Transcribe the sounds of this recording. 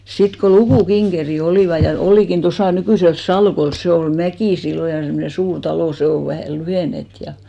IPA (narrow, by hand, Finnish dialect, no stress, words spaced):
sit ko lukuˑkiŋɡ̊eri oliˑʋɑ jɑ oliˑkin tosɑˑ nykyˑsels sɑlkols se ol mækiˑ silːo jɑ semnen̞ suːr tɑloˑ se o ʋæhæˑ lyheˑnet jɑ